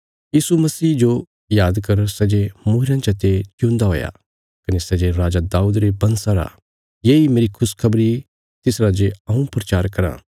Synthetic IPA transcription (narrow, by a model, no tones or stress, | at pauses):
jiːsumɐsiːd͡ʒo | jaːd̪kɐɾsɛd͡ʒemʊːɦɪɾãt͡ʃɐt̪et͡ʃjũːnd̪aɦo̰ːja̰ | kɐnesɛd͡ʒeɾaːd͡ʒad̪aːuːd̪ɾebɐ̃nsãɾa̰ | jeːimeːɾikʰʊskʰɐbɾi | t̪ɪsɾad͡ʒeɐ̃ũpɾɐt͡ʃaːɾkɐɾa̰ː